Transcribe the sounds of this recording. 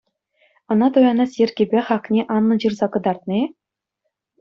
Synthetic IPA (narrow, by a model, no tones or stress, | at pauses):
ɤ̆nɑt̪ujɑnɑsʲjĕrʲɡʲibʲeχɑknʲeʔɑnːɤ̆d͡ʑɯrzɑkɤ̆d̪ɑrt̪nʲ